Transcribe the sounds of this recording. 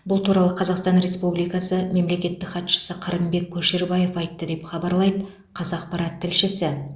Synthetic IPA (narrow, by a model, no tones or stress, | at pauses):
bʊlˠt̪ʰuɾɑlˠəqʰɑzɑqst̪ɑnɾe̞spublijkɑsəme̞mle̞kʲe̞t̪ːɪkχɑt̪ʃə̥səqʰəɾəmbe̞k̚ʲʰːɵʃeɾbɑje̞fɑjt̪ːəd̪e̞pχɑbɑɾlˠɑjd̪ə | qʰɑzɑq̚pɑɾɑt̪ʰːɪlʃɪsɪ